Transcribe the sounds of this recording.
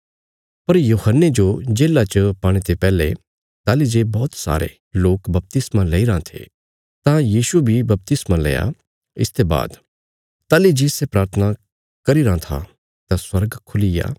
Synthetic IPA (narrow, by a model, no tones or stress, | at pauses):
pɐɾjuːhənːed͡ʒod͡ʒeːlat͡ʃəpaːɽ̃et̪epɛːlḛ | t̪aːlid͡ʒeːbɔːt̪sa̰ːɾḛ | loːkbɐp̚t̪ɪsmãlɛːiɾãt̪ʰḛ | t̪ãjiːʃubʱibɐp̚t̪ɪsmãlɛ̰ːja̰ | ɪst̪eba̰ːd̪ | t̪aːlid͡ʒeːsepɾaːɾt̪ʰəna | kɐɾiɾãt̪ʰa̰ | t̪ãswɐɾɡkʰʊlija̰ː